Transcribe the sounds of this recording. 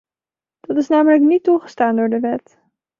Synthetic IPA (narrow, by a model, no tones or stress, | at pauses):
d̥ɑtɪsnaːmələknituχəstaːndʊːɹdəʋɛt